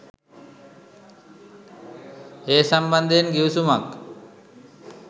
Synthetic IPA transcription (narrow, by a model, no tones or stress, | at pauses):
hesɐmbɐnd̪ʱenɡiwsumak